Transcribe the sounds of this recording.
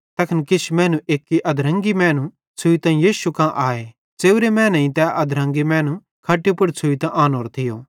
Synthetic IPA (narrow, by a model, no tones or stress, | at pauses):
t̪ɐkʰnkɪt͡ʃʰmɛ̃ːnũʔeːkːiʔɐd̪ʱɾɐ̃ŋɡimɛ̃ːnũ | t͡sʰʊit̪ãːĩjiːsukãʔaːe | t͡seːuɾemɛ̃ːnĩt̪ɛʔɐd̪ʱɾɐ̃ŋɡimɛ̃ːnũ | kʰɐʈːipʊɽt͡sʰʊit̪ãʔaːnoːɾt̪ʰɪjoː